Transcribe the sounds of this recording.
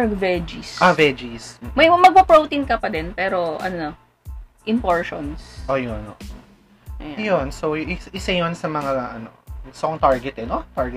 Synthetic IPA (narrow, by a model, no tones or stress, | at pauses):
vɛd͡ʒisʔavɛd͡ʒismɐjmɐɡ̚pɐpɹowt̪inkɐpɐd̪ɛnpɛːɾo̞ʔɐ̰nonɐ | ʔɪnpoɹʃonsʔoːjonʔoʔo | jonsowʔɪsɪsɐjonsɐmɐŋaaʔɐnosoŋt̪aɹɡɛt̪ɛnot̪aɹɡɛ